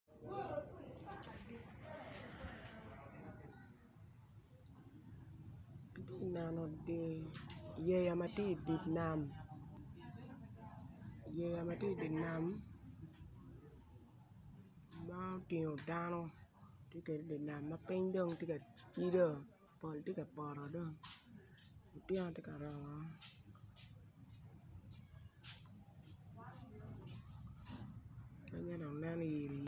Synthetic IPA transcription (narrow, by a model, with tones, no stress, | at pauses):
a˨te˦˨na˨nɔ˨ | je˦ja˨ma˦tje˦i˨di˨tna˨m˨ | je˨ja˨ma˦tje˦i˨di˨tna˨m | a˦o˦tɪ˨ɲo˨da˦nɔ˦tje˦ke˨de˨di˨na˨mːa˦pɪ˦ɲdo˦˨ŋtje˦ka˨t͡ʃi˦do˦ | po˨ltje˦ka˨pɔ˨ɾɔ˨do˦ŋ | o˨tjɛ˦nɔ˨˦tje˦ka˨ɾɔ˨ŋɔ˨ | mɛ˦ɲɛ˦do˨nɛ˦n˦je˨ɾi˨